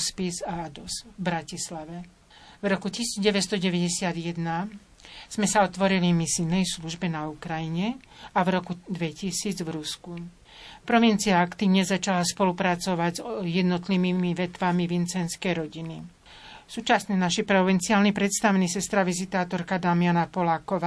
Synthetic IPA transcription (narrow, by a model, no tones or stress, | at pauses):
spizaad̪ɔsvbɾacislaʋɛ | vɾɔkucisiːd͡zɟɛʋɛst̪ɔɟɛʋɛɟɛsɪad̪jɛd̪na | z̥mɛsaɔt̪ʋɔɾilimisinːɛjsluʒbɛnaukɾajiɲɛ | avɾɔkud̪ʋɛcisiːd͡zvɾusku | pɾɔʋint͡siaakt̪iːʊɲɛzat͡ʃalaspɔlupɾat͡sɔʋaɟzjɛd̪nɔt̪limimiʋɛt̪ʋamiʋint͡sɛnskɛjɾɔɟini | suːt͡ʃasnɛnaʃipɾɔʋint͡siaːlnipɾɛt̪st̪aʋnisɛst̪ɾaʋizit̪aːt̪ɔɾkad̪amianapɔlaːkɔʋaː